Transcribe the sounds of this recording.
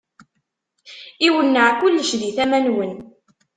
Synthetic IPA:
iwənːəʕkʊlːəʃðiθæmænwən

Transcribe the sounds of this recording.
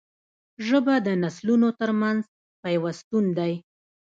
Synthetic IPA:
ʒəbad̪ənaslunot̪əɾmanz | pajwast̪und̪aj

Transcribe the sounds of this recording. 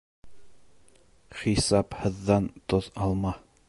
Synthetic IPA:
χisɑphɤ̆ðːɑnt̪oðɑlˠmɑ

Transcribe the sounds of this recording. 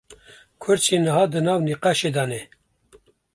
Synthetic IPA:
kʰʊɾt͡ʃʰeːnəɦɑːd̪ɨnɑːwniqaʃeːd̪ɑːnɛ

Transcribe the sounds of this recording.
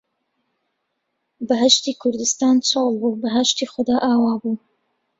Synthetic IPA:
bɐɦɐʃt̪iːkʰʊɾd̪ɨst̪aːnt͡ʃʰolˠbuːbɐɦɐʃt̪iːxʊd̪aːʔaːwaːbuː

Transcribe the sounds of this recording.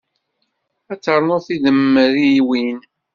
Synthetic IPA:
æt͡sːəɾˤənoɾθiðəmːəɾiwin

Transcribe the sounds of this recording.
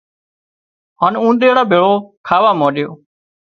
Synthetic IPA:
ɦaːnũːɗ̪eːɽaːbʱeːɭoːkʰaːʋaːmoːɗɪjoː

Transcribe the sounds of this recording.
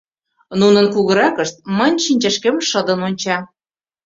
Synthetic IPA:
nunənkuɣə̆ɾɑkəʃt̪̚mənʲʃinʲt͡ɕæʃkemʃəd̪ə̆nonʲt͡ɕɑ

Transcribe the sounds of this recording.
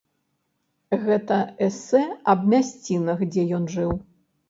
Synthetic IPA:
ɣɛt̪ɐɛsɛɐbmʲasʲt͡sʲinɐxd͡zʲɛjɔnʐɨw

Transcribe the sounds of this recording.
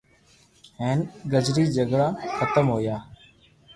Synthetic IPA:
ɦeːnɡəd͡ʒɾiːd͡ʒəɡɽaːxʰət̪əmɦoːjaː

